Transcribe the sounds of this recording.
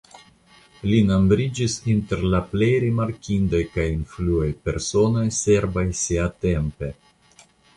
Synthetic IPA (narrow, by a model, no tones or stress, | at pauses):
linambɾid͡ʒisinte̞ɾlaple̞jɾimaɾkʲindojkajinfluajpe̞ɾso̞no̞jse̞ɾvajsiate̞mpe̞